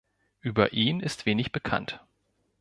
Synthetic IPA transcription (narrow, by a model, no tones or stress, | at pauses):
ʔyːbɐ̰ʔiːnɪstv̥eːnɪçb̥əkʰa̰nt